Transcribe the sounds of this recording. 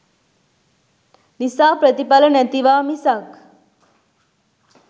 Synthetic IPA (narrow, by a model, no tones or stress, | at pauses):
nisaːpɾət̪ipalənæt̪iʋaːmisak